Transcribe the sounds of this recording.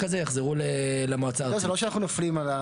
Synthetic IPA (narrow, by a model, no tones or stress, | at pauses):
kazejaχzeʁulelamoat͡saozelo̞ʃeanaχnunoflimala